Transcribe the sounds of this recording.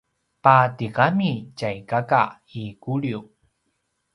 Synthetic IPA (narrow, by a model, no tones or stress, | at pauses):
patikamit͡ɕajkaka̰ | ikuɭiu